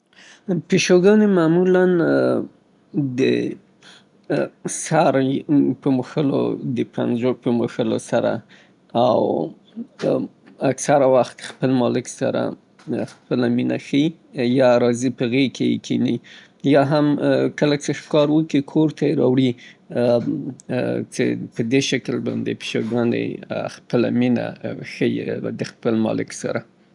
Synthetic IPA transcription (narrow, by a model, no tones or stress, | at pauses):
peʃoɡɑnemaːmulan | d̪ə̰ | saɾpəmuxəlo̰d̪əpa̰nzopəmuxəlo̰saɾa̰ | aw | aksaɾawaxt̪xpəlmɑlɪksa̰ɾa̰ | xpəlaminaxəi | jɑɾɑzipəɣekʰejkʰini | jɑɦamkəlat͡ʃexkɑɾwəkikʰoɾt̪aeɾɑwɽi | t͡ʃḛpəd̪eʃaklbɑ̰nd̪ḛpi̥ʃaɡɑnd̪ḛxpəla̰mina̰xəjid̪əxpəlmɑ̰lɪksa̰ɾa